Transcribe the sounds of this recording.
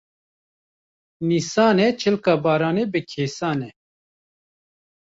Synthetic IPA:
niːsaːnɛt͡ʃʰɪlkaːbɑːɾaːneːbɨkʰeːsaːnɛ

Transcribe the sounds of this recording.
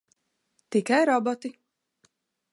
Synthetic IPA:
t̪ikajɾɔbɔt̪i

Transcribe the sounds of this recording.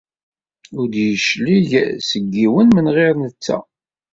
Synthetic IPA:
ʊɾd̪jəʃliʝsəɡːiwənmənʁeɾnət͡sːæ̰

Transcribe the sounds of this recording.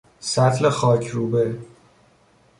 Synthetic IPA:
sæt̪ʰlexɒːcʰɾuːbe

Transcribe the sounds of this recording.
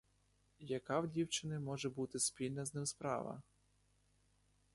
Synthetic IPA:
jɐkɑwdʲiwt͡ʃɪnɪmɔʒɛbut̪ɪspʲilʲnɐznɪmspɾɑ̰ʋɐ̰

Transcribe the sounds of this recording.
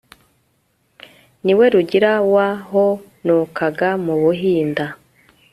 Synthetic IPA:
niwe̞ɾuɟiɾawaɦo | nukaɡamuβuɦiːnda

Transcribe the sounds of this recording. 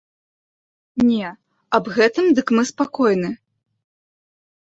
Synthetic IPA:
nʲɛ | ɐbɣɛt̪ɨmd̪ɨkmɨspakɔjnɨ

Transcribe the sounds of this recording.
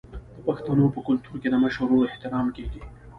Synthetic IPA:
d̪̥əpɐxt̪ɐnopəkʊlt̪uɾked̪əmaʃoɾoɪht̪ɪɾɑːmkeɡi

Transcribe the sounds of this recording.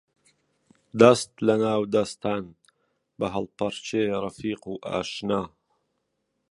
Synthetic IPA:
d̪ɐst̪lɐnaːwd̪ɐst̪aːn | bɐɦɐlˠpɐɾt͡ʃʰeːrˤɐfiːquːʔa̰ːʃnaː

